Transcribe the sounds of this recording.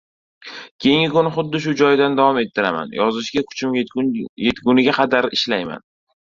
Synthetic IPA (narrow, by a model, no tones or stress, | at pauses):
kʲʰe̞jɪŋɡʲɪkʊnɪχʊd̪ːɪʃ̬ʊd͡ʒɒjd̪and̪avɒme̞t̪ʰːɪɾama̰njɒzɪʃɡʲakʰʊ̥t͡ʃʰɪmjet̪ɡʲʊnɪɡʲaqʰɑd̪aɾɪʃlajma̰n